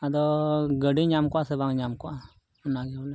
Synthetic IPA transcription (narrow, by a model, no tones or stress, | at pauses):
ad̪ɔɡəɖiɲamkoasebaŋɲamkoa | naɡalɛ